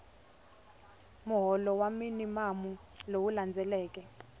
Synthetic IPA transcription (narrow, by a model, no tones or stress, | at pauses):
muɦɔlɔwaminimamu | lowuland͡zʱɛlɛːk̬ʼɛ